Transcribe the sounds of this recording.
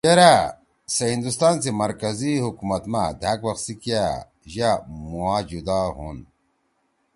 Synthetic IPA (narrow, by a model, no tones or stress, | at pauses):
ɐɾa | sɐɦĩnd̪ust̪aːnsemɐɾkɐzihukumɐt̪mad̪ʱakwɐxsikija | ʑamuaːd͡ʑud̪aɦṵn